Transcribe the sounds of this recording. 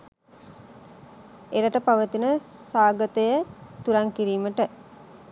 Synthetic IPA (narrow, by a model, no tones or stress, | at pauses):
eɾəʈəpaʋət̪inəsaːɡət̪əjət̪uɾaŋkiɾiːməʈə